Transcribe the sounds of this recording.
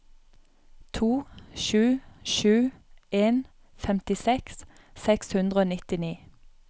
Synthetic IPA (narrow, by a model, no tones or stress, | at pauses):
t̪ʰuːʃʉːʃʉːʔeːn | fɛmt̪ɪsɛks | sɛkshʉnd̪ʁəoːnɪt̪ɪniː